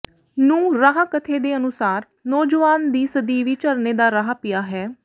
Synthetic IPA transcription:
nũːɾaːɦakət̪ʰeːd̪eːənʊsaːɾ | nɔːd͡ʒəʋaːnd̪iːsəd̪iːʋiːt͡ʃəɾneːd̪aːɾaɦapɪjaːɦɛː

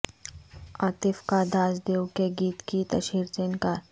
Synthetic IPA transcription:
aːt̪ɪfkad̪aːzd̪eːwkeɡiːt̪kit̪ɐʃiːɾd͡ʒɪnkaːɾ

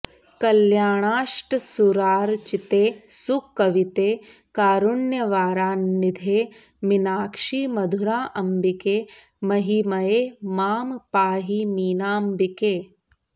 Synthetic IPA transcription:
kɐljaːɳ̃aːʃʈsuɾaːɾt͡ʃit̪eːsukːɐʋit̪eː | kaːɾʊɳjɐʋaːɾaːnːɪd̪ʱeː | minaːkʂiːmɐd̪ʱʊɾaːʔɐmbikeː | mɐɦimɐeːmaːmpaːɦiːmiːnaːmbikeː

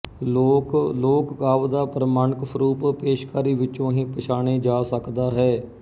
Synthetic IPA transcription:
loːkɡaːʋd̪aːpɾəmaːnəksəɾuːppeːʃkaːɾiːʋɪt͡ʃõːɦĩːpəʃaːñeːd͡ʒaːsəkd̪aːɦɛː

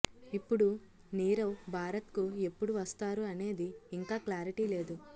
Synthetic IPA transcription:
ipːuɽu | niːɾɐwbʱaːɾɐt̪kue̞pːuɽuʋɐst̪aːɾuɐne̞ːd̪iːŋkaːklaːɾiʈiːle̞ːd̪u

